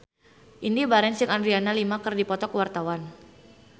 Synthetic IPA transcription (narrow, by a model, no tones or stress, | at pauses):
ʔindibaɾɛnsɪŋandɾianalimakərdipɔt̪ɔkəwart̪awan